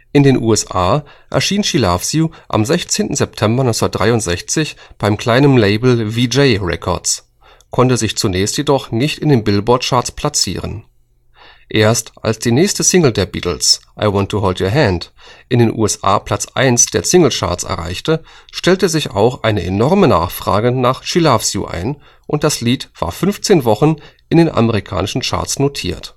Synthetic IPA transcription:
ʔɪndeːnʔṵːɛsʔa̰ː | ʔɛ̰ɐʃiːnʃilafsjuʔa̰mzɛçt͡seːntn̩zɛp̚tʰɛmbɐnɔʏt͡ssnat̚d̥ʁaɪʊntz̥ɛçt͡sɪçb̥aɪmkʰl̥aɪnənleɪbl̩vid͡ʒeɪʁɛ̰kʰɔ̰ɐt͡s | kʰɔntəzɪçt͡sunɛːçstjedɔχnɪçtɪndeːnbɪlbɔɐtʃaɐtspʰl̥at͡sḭːʁ̞ə̰n | ʔeːɐstʔa̰lsd̥iːnɛːçstəsɪŋl̩deːɐbḭːtl̩sʔaɪwɔntʰːuɦoːldjoɐɦɛndʔɪndeːnʔṵːɛsʔa̰ːpʰl̥at͡sʔa̰ɪnsd̥eːɐsɪŋl̩t͡ʃa̰ɐt͡sɛ̰ɐʁa̰ɪçtəʃtɛltəzɪça̰ʊxʔaɪnəʔenɔʁməna̰ːχfʁ̥a̰ːɡənaːχʃilafsjṵʔa̰ɪn | ʔʊnt̚d̥asliːtv̥a̰ːɐfʏnft͡seːnvɔχn̩ʔɪndeːnʔa̰məʁikʰa̰ːnɪʃn̩t͡ʃa̰ɐtsnotʰḭːɐt

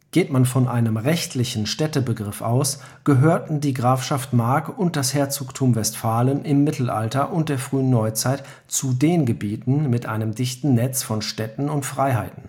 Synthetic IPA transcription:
ɡ̥eːtmanfɔnʔaɪnəmʁɛçtʰlɪçn̩ʃtɛtəbəɡʁɪfʔa̰ʊs | ɡ̥əɦøːɐtn̩diːɡʁaːfʃaftmaɐkʊnt̚d̥ashɛːɐt͡suːktʰumvɛstfaːlənʔɪmːɪtʰl̩ʔa̰ltɐʔʊnt̚d̥eːɐfʁ̥yːənːɔʏt͡saɪt | t͡sudeːnɡəbiːtn̩mɪtʔaɪnəmdɪçtn̩nɛt͡sfɔnʃtɛtn̩ʊntfʁ̥aɪɦaɪtn̩

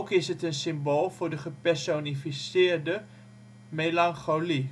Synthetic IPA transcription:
kɪsɦətənsɪmboːlˠvʊːɹdəχəpɛɹsonifisɪːɹdə | melɑŋχoli

